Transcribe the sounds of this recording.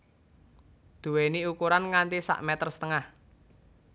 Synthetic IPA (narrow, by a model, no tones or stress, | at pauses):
d̪̥ṳweniukuɾanŋant̪isa̰ʔmɛt̪ərst̪əŋah